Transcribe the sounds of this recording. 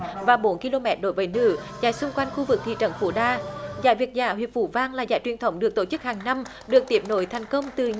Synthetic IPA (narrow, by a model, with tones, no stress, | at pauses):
vaː˨˩ɓo˨˦nki˧lo˧mɛ˧˥t̚ɗo̰˧˦jvəː˨˦jnɨ̰˧˥za̰ː˧˥jsʊ˧ŋ͡mkwa˧jn̟xu˧vɨ˨˩k̚t̪ʰḭ˧˨t͡ɕə̰˧˩˦nfṵ˧˦ɗaː˧zaː˧˦jvi˨˩ək̚zaː˧˩ɦwḭ˨˩ət̚fu˧˦vaː˧ŋlaː˨˩zaː˧˦jt͡ɕwi˨˩ənt̪ʰə˨˦wŋ͡mɗɨ˨˩ək̚t̪o˧˩t͡ɕɨ˦˥k̚haː˨˩ŋna˧m | ɗɨ˨˩ək̚t̪i˨˩əp̚no˧˨˦jt̪ʰɛ˨˩jŋ̟kə˧wŋ͡mt̪ɨ˨˩